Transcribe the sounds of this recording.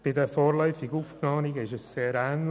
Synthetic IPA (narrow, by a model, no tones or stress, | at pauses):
b̥ɪdəfɔːɾlœʏfɪɡufpnɑːniɡɪʃəsseːɾæːnl